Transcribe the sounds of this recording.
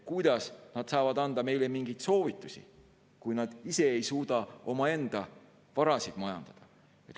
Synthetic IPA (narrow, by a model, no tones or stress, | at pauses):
kujd̪̥ɑsnɑd̪̥sɑːvɑd̪̥ɑnd̪̥ɑme̞jlemiŋɡijt̪so̞ːvit̪ːˑusʲḭ | kujnɑd̪̥ise̞ejsuːd̪ɑo̞mɑe̞nd̪̥ɑ | vɑɾɑsid̪mɑjɑ̰nd̪̥ɑd̪̥ɑ | et̪